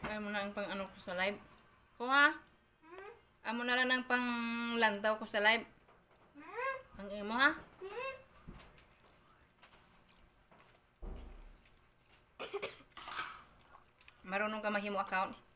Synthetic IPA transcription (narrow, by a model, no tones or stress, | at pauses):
amunaŋpaŋanukosalaib̚ | koɦa | ʔamunalanaŋpaŋlant̪̬awkosalaib̚ | paŋimoɦa | maɾunuŋkamaɦimoakaun